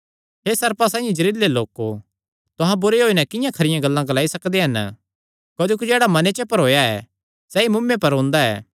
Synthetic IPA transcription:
ɦesɐɾpasãːjẽd͡ʒɐɾiːlːeloːko | t̪ʊɦãbʊɾeɦoːinɛkɪjãkʰɐɾɪjãɡɐlːãɡɐlaːisɐkd̪eɦɐn | koːd͡ʒoːk̬id͡ʒeːɽamɐnet͡ʃepɐɾɦoːjaɛ̰ː | sɛːimʊmːẽpɐɾɦõːnd̪aɛ̰ː

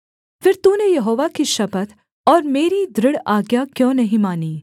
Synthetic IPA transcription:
fɪɾt̪uːnejɐɦoːʋakiʃɐpət̪ | ɔːɾmeːɾid̪ɾɪɽaːɡjakjõːnɐɦĩmaːniː

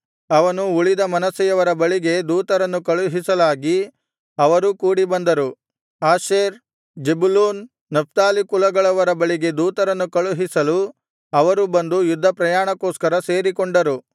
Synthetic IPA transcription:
ɐʋɐnuuɭid̪ɐmɐnɐsijɐʋɐɾɐbɐɭiɡe̞d̪uːt̪ɐɾɐnːukɐɭuɦisɐlaːɡi | ɐʋɐɾukuːɽibɐnd̪ɐɾu | aːʃeːɾ | d͡ʒebuluːnː | ɐp̚ʰt̪aːlikulɐɡɐɭɐʋɐɾɐbɐɭiɡe̞d̪uːt̪ɐɾɐnːukɐɭuɦisɐlu | ɐʋɐɾubɐnd̪ujud̪ʱːɐpɾɐjaːɳɐkoːskɐɾɐse̞ːɾikɔɳɖɐɾu

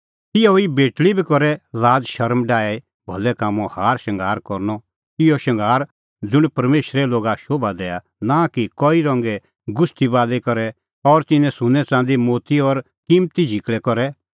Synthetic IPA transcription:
t̪ɪjɔibeːʈlibʱikɔɾɛlaːd͡zʃɐɾmɖaːɛ | bʱɔlɛkaːmɔ̃haːɾʃɐ̃ŋɡʱaːɾkɔɾnɔ | ɪjɔʃɐ̃ŋɡʱaːɾ | d͡zʊɽ̃pɐɾmeːʃɾɛloːɡaʃoːbʱad̪ɛːa | nakikɔiɾɔ̃ŋɡɛ | ɡʊsʈibaːlɛkɔɾɛ | ɔɾt̪ɪnɛ̃sʊnɛt͡sãːnd̪imoːt̪iɔɾ | kiːmt̪id͡ʒʱɪkɭɛkɔɾɛ

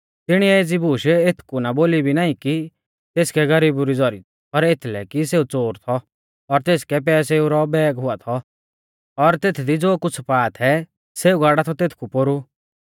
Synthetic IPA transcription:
t̪ɪɽ̃iɛeːd͡zibuːʃet̪ʰkunaboːlibʱinaːĩki | t̪eːskɛɡɐɾiːbuɾid͡zɔɾi | pɐɾet̪ʰlɛkiseːut͡soːɾt̪ʰɔ | ɔɾt̪eːskɛp̬ɛːs̬euɾɔbɛːɡɦʊat̪ʰɔ | ɔɾt̪eːt̪ʰd̪id͡zoːkʊt͡sʰpaːt̪ʰɛ | seːuɡaːɽat̪ʰɔt̪eːt̪ʰkupoɾu

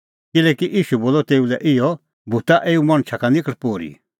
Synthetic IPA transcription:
kɪlɛːkiʔiːʃuboːlɔt̪eːulɛʔɪjɔ | bʱut̪aʔeːumɐ̃ɽ̃t͡ʃʰakanɪkəɽpoːɾḭ

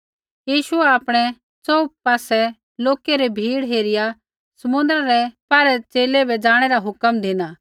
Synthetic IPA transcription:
jiːʃʊɛaːpɽ̃ɛ | t͡sɔup̚paːsɛ | loːkɛɾɛbʱiːɽɦeːɾɪja | sɐmʊ̃nd̪əɾaɾɛpaːɾɛt͡seːlɛbʱɛd͡zaːɽ̃ɛɾaɦʊkəmd̪ʱɪnaː

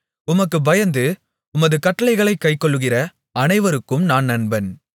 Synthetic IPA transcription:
ʊmɐkːɯbɐjɐnd̪ɯ | ʊmɐðɯkɐʈːɐɭɐɪɣɐɭɐɪkːɐɪkːɔɭːɯɣɪrɐ | ɐnɐɪʋɐɾɯkːɯmnaːnnɐnbɐn

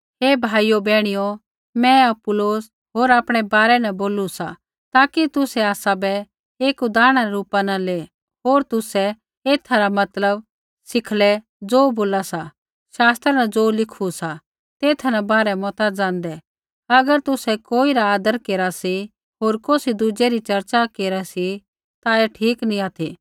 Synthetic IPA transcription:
ɦeːbʱaːijobɛːɽ̃ijo | mɛ̃ɐpʊloːs | ɦoːɾaːpɽ̃ɛbaːɾɛnaboːlusa | t̪aːkit̪ʊsɛaːsabɛ | eːkud̪aːɽ̃aɾɛɾuːpanale | ɦoːɾt̪ʊsɛ | eːt̪ʰaɾamɐt̪ləb | sɪkʰlɛ | d͡zoːboːlasa | ʃaːst̪ɾanad͡zoːlɪkʰusa | t̪eːt̪ʰnabaːɾɛmɔːt̪ad͡zãːnd̪ɛ | ɐɡəɾt̪ʊsɛkoːiɾaːd̪əɾkeːɾasi | ɦoːɾkoːsid̪ud͡ʒɛɾit͡ʃɐɾt͡ʃakeːɾasi | t̪aeʈʰiːknĩaːt̪ʰiː

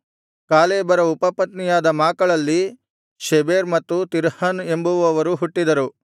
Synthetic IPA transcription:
kaːleːbɐɾɐupɐpɐt̪nijaːd̪ɐmaːkɐɭɐlːi | ʃebeːɾmɐt̪ːut̪iɾhɐne̞mbuʋɐʋɐɾuɦuʈːid̪ɐɾu

